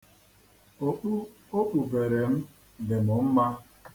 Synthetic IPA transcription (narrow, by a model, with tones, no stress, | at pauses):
o˦k͡pu˦ | o˦k͡pu˨be˨ɾe˨m̩˦ | de˨mʊ˨m̩˦ma˦